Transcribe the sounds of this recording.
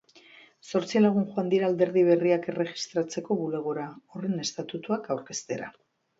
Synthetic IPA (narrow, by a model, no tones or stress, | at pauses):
so̞ɾt͡silaɣ̞unxuand̪iɾald̪e̞ɾðiβ̞e̞riake̞re̞ʝi̥st̪ɾat͡se̞ko̞βule̞ɣ̞oɾaore̞ne̞st̪at̪ut̪uakawɾke̞st̪e̞ɾa̰